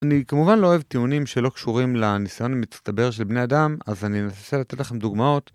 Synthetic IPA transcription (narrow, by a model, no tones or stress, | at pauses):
anikamuvanlo̞ːevt̪iunimʃe̞lo̞kʃuʁimlanisajo̞namitst̪abe̞ʁʃelbne̞ad̪amazaninaaselat̪e̞tlaχe̞md̪uɡmao̞t